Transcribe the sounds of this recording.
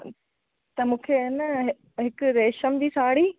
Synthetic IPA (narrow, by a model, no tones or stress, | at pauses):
t̪ɐmũːkʰenəɦ | ɦɪkʊɾeːʃəmd̪iːsaːɽiː